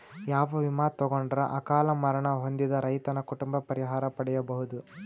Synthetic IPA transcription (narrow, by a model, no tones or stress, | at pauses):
jaːʋɐʋimaːt̪ɔɡoɳɖɾɐʔɐkaːlɐmɐɾɐɳɐɦo̞nd̪id̪ɐɾɐjt̪ɐnɐkuʈumbɐpɐɾiɦaːɾɐpɐɽɛjɐbɐɦud̪u